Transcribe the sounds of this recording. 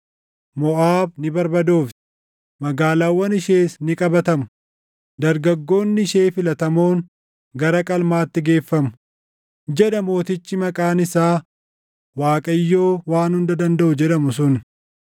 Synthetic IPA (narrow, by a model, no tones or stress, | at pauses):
mɔʔaːbnɪbɐɾbɐd̪o̞ːft̪ | mɐɡaːlaːwːɐnɪʃeːsnɪkʼɐbɐt̪ɐmʊ̥ | d̪ɐɾɡɐɡːo̞ːnːɪʃe̞ːfɪlɐt̪ɐmoːŋ | ɡɐɾɐkʼɐlmaːt̪ːɪɡe̞ːfːɐmʊ | d͡ʒɛᶑɐmo̞ːt̪ɪt͡ʃːɪmɐkʼaːnɪsaː | waːkʼɐjːo̞ːwaːnhʊnd̪ɐd̪ɐnd̪ɐʔʊd͡ʒɛᶑɐmʊs̬ʊn